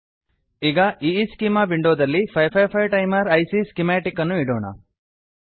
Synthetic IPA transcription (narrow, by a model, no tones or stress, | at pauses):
iɡɐʔiːskimaːʋiɳɖoːd̪ɐlːipʰɐjpʰɐjpʰɐjʈɐjmɐɾɐjsiskimaːʈikːɐnːuiɽoːɳɐ̰